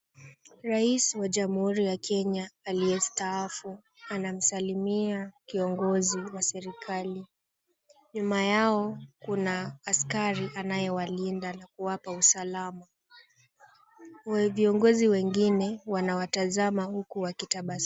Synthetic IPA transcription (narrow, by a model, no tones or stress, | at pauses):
ɾaiswaʄamuhuɾijakʰɛɲaalijɛstaafu | anam̩salimiakiɔŋɡɔziwasɛɾikʰali | ɲumajaɔkunaːskaɾiʔanajɛwalindanakuwapausalama | viɔŋɡɔziwɛŋɡinɛwanawatazamahukuwakitaɓas